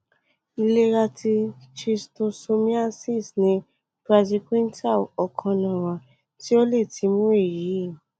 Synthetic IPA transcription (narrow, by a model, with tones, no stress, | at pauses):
i˧le˦ɾa˧tʰi˧t͡ʃi˧sto˧so˧mĩ˦a˦si˦˨snĩ˧ | pɾa˧d͡ʒi˧kĩ˦n˦ta˦˨ɔ˨kʰã˧nã˨w̃ã˨ | ti˦o˦le˦˨ti˨˦mũ˦e˦˨ji˨˦˨